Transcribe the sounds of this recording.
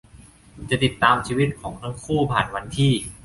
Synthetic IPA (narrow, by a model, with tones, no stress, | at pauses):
t͡ɕa˨˩t̪i˨˩t̪ːaː˧mt͡ɕʰiː˧wi˦˥t̪̚kʰɔː˩˦ŋt̪ʰa˦˥˩ŋkʰuː˥˩pʰaː˨˩nwa˧nt̪ʰiː˥˩